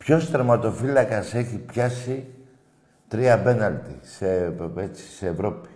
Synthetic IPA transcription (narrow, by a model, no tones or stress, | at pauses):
pço̞st̪ɾemɐt̪o̞filɐkɐse̞çipçɐsi | t̪ɾiɐbe̞nɐlt̪isee̞t͡si̥seːvɾo̞pi̥